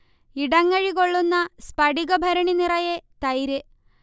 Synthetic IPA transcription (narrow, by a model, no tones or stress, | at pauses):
iɽɐŋːɐɻiko̞ɭːunːɐspɐɽiɣɐbʱɐɾɐɳinirɐjet̪ɐjɾɨ